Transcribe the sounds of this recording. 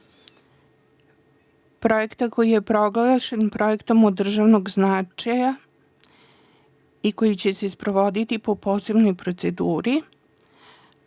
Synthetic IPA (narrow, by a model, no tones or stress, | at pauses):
pɾo̞jekt̪ako̞jije̞pɾo̞ɡlˠaʃenpɾo̞je̞kt̪o̞mod̪ːr̩ʒaʋno̞ɡznat͡ʂaja | iko̞jit͡ɕe̞se̞spɾo̞ʋo̞d̪it̪ipo̞po̞ːse̞bno̞jpɾo̞t̪se̞d̪uːɾi